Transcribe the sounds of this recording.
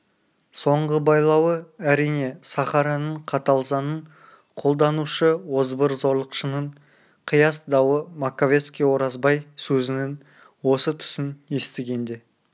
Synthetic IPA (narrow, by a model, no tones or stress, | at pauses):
so̞ɴʁəbɑjlˠɑwəæɾijne̞sɑχɑɾɑnəɴqʰɑt̪ɑlˠzɑnəɴ | qʰo̞lˠd̪ɑnuʃəwo̞zbəɾzo̞ɾlˠəqʃənəɴ | qʰəjɑsd̪ɑwəmakovʲe̞t̪skʲijwo̞ɾɑzbɑjsɵzɪnɪn | wo̞sət̪ʰʏ̥sɪnje̞st̪ɪɡʲe̞nd̪e̞